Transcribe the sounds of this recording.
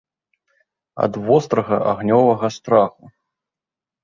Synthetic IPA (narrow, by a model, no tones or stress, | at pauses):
ɐ̰d̪vɔst̪ɾɐɣɐʔaɣnʲɔvɐɣɐst̪ɾaxu